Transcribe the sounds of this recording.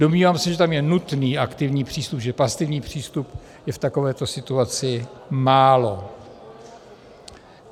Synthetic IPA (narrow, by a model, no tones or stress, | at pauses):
domɲiːvamsɛʒɛt̪amjɛnut̪niːʔakt̪ɪvɲiːpr̝̥iːst̪upʒɛpasɪvɲiːpr̝̥iːst̪up | jɛft̪ako̞vɛːt̪o̞sɪt̪uat͡sɪmaːlo̞